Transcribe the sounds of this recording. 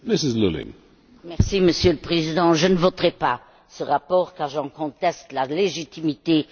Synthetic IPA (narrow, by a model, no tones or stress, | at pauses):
mɪsɪzlulɪ̰̃ŋ | mɛʁsiməsjøləpχezid̪ɑ̃ʒənəvot̪ʁɛpa | səʁapɔːʁkaʁʒɑ̃kɔ̃t̪ɛst̪laleʒit̪imit̪e